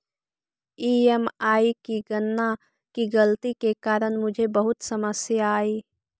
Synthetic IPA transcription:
iːemaːikiɡənːa | kiɡəlt̪ikekaːɾəɽ̃mʊd͡ʒʱebəɦʊt̪səməsjːiː

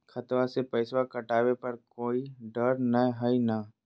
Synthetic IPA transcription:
kʰət̪wasepɛɪswakɐʈaːwepɐɾkoːiɖəɾnəɦəina

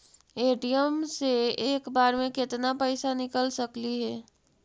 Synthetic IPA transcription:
eːʈijəmseeːkbaːɾmẽkɪt̪napɛːsanɪkəlsəkliɦɛː

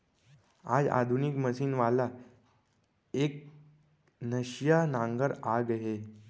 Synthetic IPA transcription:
a̰d͡za̰d̪ʱunikməsiːnʋala | ek̚ | nəɕjanãŋɡəɾaɡəɦe

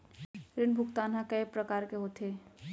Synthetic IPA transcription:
ɾɪnbʱʊkt̪aːnɦãkɐepɾɐkaːɾkeɦoːt̪ʰeː

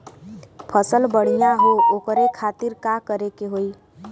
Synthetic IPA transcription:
pʰəsəlbəɽ̤ijaɦookəɾekʰat̪iɾkakəɾekeɦoj

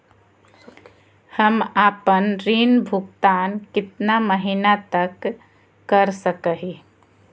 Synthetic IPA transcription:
həmapənɾinbʱukt̪ankɪt̪naməɦinat̪əkː | əɾsəkəɦi

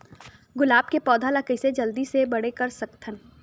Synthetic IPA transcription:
ɡʊlaːbkepɔːd̪ʱaːlakəɪsed͡ʒɐld̪isebɐɽekɐɾsɐkt̪ʰən

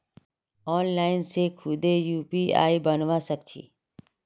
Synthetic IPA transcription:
ɔːnlaːɪnsekʰʊd̪ejuːpia̰ːibənʋasəkt͡ʃʰḭː

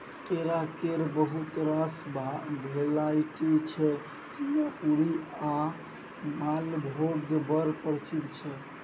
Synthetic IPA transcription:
sʈeɾakeɾbəɦut̪ɾasbbʱelajʈit͡ʃʰɛ | t͡ʃijapuɾia | malbʱoɡbəɾpəɾsid̪ʱt͡ʃʰɛ

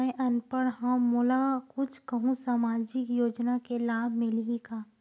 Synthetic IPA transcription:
ɛ̃ʔɐnpəɽɦãmʊlakʊt͡ʃʰkəɦũsaːmaːd͡ʒɪkjoːd͡ʒnakelaːbʱmɪlikaː

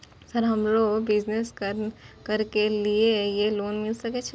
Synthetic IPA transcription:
sɐɾɦɐmloːɡbɪd͡ʒneskɐɾkɐɾkeliejeloːnmɪlsɐket͡ʃʰ

